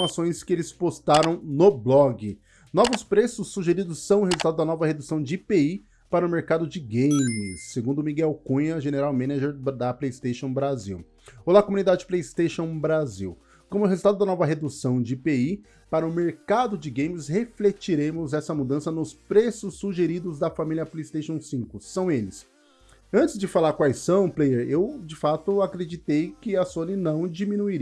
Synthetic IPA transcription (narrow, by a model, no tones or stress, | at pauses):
masõj̃skɪelɪspost̪aɾɐ̃w̃nʊblɔɡɪ | nɔvʊspɾesʊsːuʒeɾid̪ʊsːɐ̃w̃ʊhezult̪ad̪ʊd̪ɐnɔvɐhed̪usɐ̃w̃d͡ʒɪipei | paɾɐʊmeɾkad̪ʊd͡ʒɪɡẽj̃mɪsːeɡũnd̪ʊmiɡɛwkũɲɐʒeneɾawmẽnaʒeɾd̪ɐplejist̪eʃõw̃bɾazḭw | owlakomunid̪ad͡ʒɪd͡ʒɪplejist̪eʃõw̃bɾaziw | kõmʊɦezulˠt̪ad̪ʊd̪ɐnɔvɐɦed̪usɐ̃w̃d͡ʒɪpei | paɾɐʊmeɾkad̪ʊd͡ʒɪɡẽj̃mɪsheflet͡ʃiɾẽmʊzɛsɐmud̪ɐ̃sɐnʊspɾesʊsːuʒeɾid̪ʊzd̪ɐfamiljɐplejist̪ejʃõw̃sĩkʊsɐ̃w̃elɪs | ɐ̃nt͡ʃɪzd͡ʒɪfalaɾkwajsːɐ̃w̃plejeɾewd͡ʒɪfat̪ʊakɾed͡ʒit̪ejkɪɐsõnɪnɐ̃w̃d͡ʒimĩnuiɾi